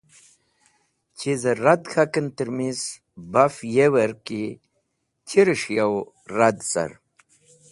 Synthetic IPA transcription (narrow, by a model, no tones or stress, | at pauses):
t͡ɕʰizəɾad̪kʰakənt̪əɾmiz | bafjewəɾki | t͡ɕiɾiʂjaw | ɾad̪sa̰ɾ